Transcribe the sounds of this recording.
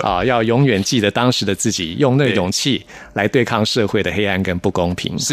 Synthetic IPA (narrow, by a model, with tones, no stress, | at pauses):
ʔɔ̰˥˧˩jɑ˥˩ʊjʊ˧˥ŋɥɛ˨˩nt͡ɕi˥˩d̪ə˨˩t̪ɑ˥ŋʂɻ̩˧˥˦d̪ə˧t͡sɹ̩˥˩t͡ɕi˨˩jʊ˥˧ŋnə˥˧jʊ˨˩ŋt͡ɕʰi˥˩la˧˥ɪt̪we˥˧ɪkʰɑ˥˧ŋʂɤ˥˧xwe˥˩ɪd̪ə˩xe˥ɪa˥˩nkə˥npu˥˩kʊ˥ŋpʰḭ˧˥ŋ